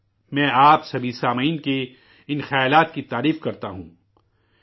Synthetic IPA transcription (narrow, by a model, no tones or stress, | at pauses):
mɛ̃ːʔaːpsɐbʱisaːmiːnke | ɪnxɐjaːlaːt̪̚kit̪aːɾiːfkɐɾt̪aɦṵ̃ː